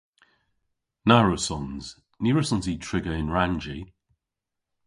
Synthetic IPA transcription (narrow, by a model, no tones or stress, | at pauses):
naɹosɔnz̥ | niɹəsɔ̃nzitʰɹ̥ɪɡəɪ̃nɹand͡ʒi